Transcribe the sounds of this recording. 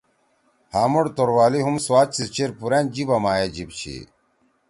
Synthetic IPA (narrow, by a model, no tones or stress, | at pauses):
haːmuɽt̪oɾwaːliɦumswaːt͡ɕsit͡ɕeɾpuɾend͡ʑibɐmaːjed͡ʑibt͡ɕʰḭ